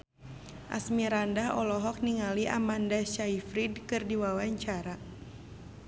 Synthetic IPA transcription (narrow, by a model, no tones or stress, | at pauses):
ʔa̰smiɾandaɦɔ̰lɔɦɔk̚niŋaliʔa̰mandaʃaifɾidkɨrdiwawaɲt͡ʃaɾa